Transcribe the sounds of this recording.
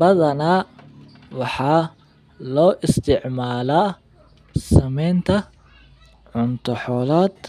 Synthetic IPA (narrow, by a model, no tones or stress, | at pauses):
bɐðɐnaː | wɑħɑː | lɔːʔɪst̪ʰɪʕmaːlaː | sɐmɛjnt̪ʰɐ | ʕʊnt̪ʰɔħɔːlaːd̪̥